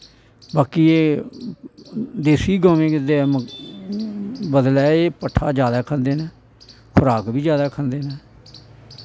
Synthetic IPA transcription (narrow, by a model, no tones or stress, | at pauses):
baːkiːeː | d̪eːsiːɡəːmẽːkɪd̪eːɛːm | bəd̪lɛːeːpəʈʰːaːd͡ʒjaːd̪aːkʰənd̪eːnɛː | kʰʊɾaːkbiːd͡ʒjaːd̪aːkʰənd̪eːnɛː